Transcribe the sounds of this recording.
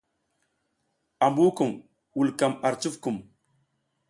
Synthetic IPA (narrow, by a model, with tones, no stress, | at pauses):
a˨mbu˦ku˨m | wu˨lka˨ma˨ɾt͡ʃu˦fku˨m